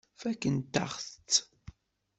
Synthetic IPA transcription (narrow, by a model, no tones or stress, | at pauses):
fækːənt̪ːa̰χθt͡sː